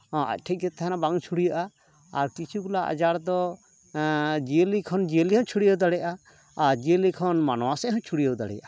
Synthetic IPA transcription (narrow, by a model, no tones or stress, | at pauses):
hɔ̃ʔa̰c̚ˀʈʰɛc̚ˀɡɛt̪ʰaɦɛnabaŋt͡ʃʰuɽijaʔa | aɾkit͡ʃʰukulaʔa̰d͡ʒaɽd̪ɔ | d͡ʒiəlikʰɔnd͡ʒiəliɦɔ̃t͡ʃʰuɽijəwd̪aɽɛjaʔa | aɾd͡ʒiəlikʰɔnmanɔwasɛɦɔ̃t͡ʃʰuɽijəwd̪a̰ɽɛ̰jaʔa